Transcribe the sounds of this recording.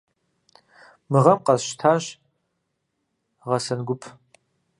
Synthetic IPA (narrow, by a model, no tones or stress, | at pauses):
mɨʁɐmqɐzʃtʰaːɕ | ʁɐsɐnɡʷʊpʰ